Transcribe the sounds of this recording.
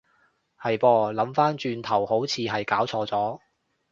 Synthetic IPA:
hɐ˨jpɔː˧lɐ˨˥mfaː˥nt͡ʃyː˧nt̪ʰɐ˨˩who˨˥wt͡sʰiː˧ɦɐ˨jkaː˨˥wt͡sʰɔː˧t͡sɔː˨˥

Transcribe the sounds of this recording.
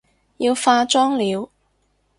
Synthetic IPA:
ji˧wfaː˧t͡ʃɔː˥ŋliː˨˧w

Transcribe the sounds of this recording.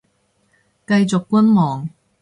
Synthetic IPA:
kɐ˧jt͡sʊ˨kːʊ˥nmɔː˨˩ŋ

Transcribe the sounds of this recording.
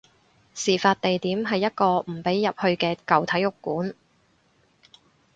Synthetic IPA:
siː˨˩faː˧t̚t̪e˨jt̪iː˨˥mɦɐ˨jːɐ˥t̚kɔː˧m̩˨˩pe˨˥jːɐ˨p̚hɵ˧ɥkɛː˧kɐ˨wt̪ʰɐ˨˥jːʊ˨kːuː˨˥n

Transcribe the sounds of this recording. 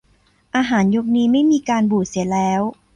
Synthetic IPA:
ʔaː˧ɦaː˩˦njo˦˥k̚niː˦˥ma˥˩jmiː˧kaː˧nbuː˨˩si˨˩˦əlɛː˦˥w

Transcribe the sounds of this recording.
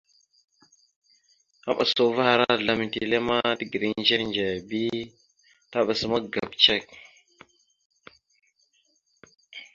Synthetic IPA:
a̰˦ɓa̰˨so˨va˦ha˨ɾa˦˨ɮa˨mi˨ntḭ˨le˦ma˦ti˨ɡi˨ɾi˦nd͡ʒe˦ɾnd͡ʒe˨bi˦ | ta˦ɓa˨sə˦ma˦ɡa˨bt͡ʃe˦˨k̚

